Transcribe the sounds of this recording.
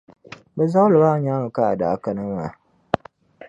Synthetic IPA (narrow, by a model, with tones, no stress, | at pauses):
bɛ˨za˦lɨ˨ba˦ɲa˦ŋɨ˨ka˦a˨daː˨ka˦nɨ˦ma˨